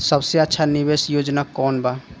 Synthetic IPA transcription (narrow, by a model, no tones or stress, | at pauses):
sɐbseətːʃʰanɪʋeːsjoːd͡ʒnakɔːnba